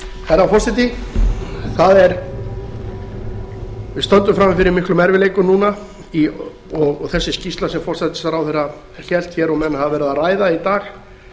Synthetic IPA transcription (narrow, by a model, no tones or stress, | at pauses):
θɛrːafɔr̥sajt̪i | θaðɛɾ | vɪðst̪œnt̪ʏmfɾamːɪfɪɾɪmɪhklʏmɛɾvɪleːjkʏnuːna | i | ɔɣθɛsːɪscist̪lasɛmfɔr̥st̪at̪ɪ̥saɾawθɛrːa | çɛl̥t̪çɛɾɔmɛnːahavavɛːɾɪðaraːjðait̪aːx